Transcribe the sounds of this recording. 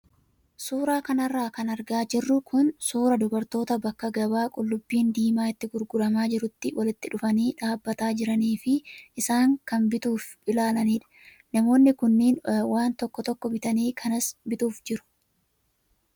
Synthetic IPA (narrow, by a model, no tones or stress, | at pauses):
suːɾaːkɐnɐrːaːkɐnɐɾɡaːd͡ʒɪrːʊkʰʊnsuːɾɐd̪ʊbɐɾt̪o̞ːt̪ɐbɐkːɐɡɐbaːkʼʊlːʊbːiːnd̪iːmaːɪt̪ːɪɡʊɾɡʊlɐmaːd͡ʒɪɾʊt̪ːɪwɐlɪt̪ːɪᶑʊfɐniːᶑaːbːɐt̪aːd͡ʒɪɾɐniːfɪʔːsaːŋkɐnbɪt̪uːf | ɪlaːlɐniːᶑɐ̥ | nɐmo̞ːnːɪkʊnːiːnwaːnt̪ɔkːɔt̪ɔkːɔbɪt̪ɐniːkʰɐnɐsbɪt̪uːfd͡ʒɪɾʊ̥